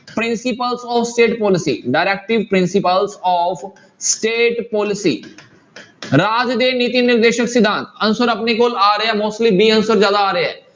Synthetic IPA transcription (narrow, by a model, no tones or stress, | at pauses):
pɾɪnsɪpəlsɔːfʰsʈeːʈpɔːlɪsḭːɖaːɾɛːk̚ʈɪʋpɾɪnsɪpəlsɔːpʰ | sʈeːʈpɔːlɪsḭː | ɾaːd͡ʒd̪eːniːt̪iːnɪɾd̪eːʃəksɪd̪ãːnt̪ənsəɾəpneːkoːlaːɾəɛːmoːsʈliːbiːənsəɾzjaːd̪aaːɾeɛ̰ː